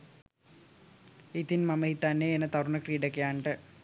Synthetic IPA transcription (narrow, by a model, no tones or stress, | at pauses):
it̪inmɐmɐɦit̪anːeenːɐt̪ɐruɳɐkriːɖɐkːejaːɳɖɨ